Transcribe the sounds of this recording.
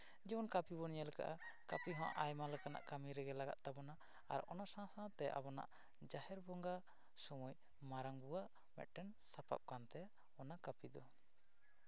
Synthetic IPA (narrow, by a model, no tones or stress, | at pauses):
d͡ʒɛbɔnkapibɔnijalɛka̰ʔa | kapiɦɔ̃a̰ʔajmalɛkana̰ʔkamiɾɛɡɛlaɡa̰t̪̚t̪abɔna | a̰ɾɔ̰nasãsãt̪ɛʔa̰bɔna̰ʔ | d͡ʒahɛɾbɔŋɡa | sɔmuj | maɾaŋbuwaʔ | mɛ̰t̪̚ˀʈɛnsapa̰p̚kant̪ɛja | ɔnakapid̪ɔ